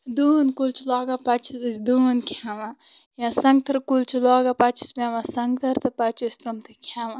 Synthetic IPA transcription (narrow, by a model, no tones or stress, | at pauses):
d̪uːnkult͡ʃʰilɔːɡapɐt͡ʃʰisɨsʲd̪uːnkʰʲaːʋa | jãsɐŋɡ̚t̪ɐɾkult͡ʃʰiloːɡapɐt͡ʃʰi̥spʲẽːʋãsɐŋɡt̪ʰɐɾt̪ɨpɐt͡ʃʰisʲt̪ɐmt̪ʰɨkʰãːʋa